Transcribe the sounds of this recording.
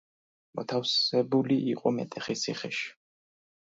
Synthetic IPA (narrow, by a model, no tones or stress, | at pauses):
mɔt̪ʰafsɛbuliʔiqʼɔmɛt̪ʼɛχisʰiχɛʃi̥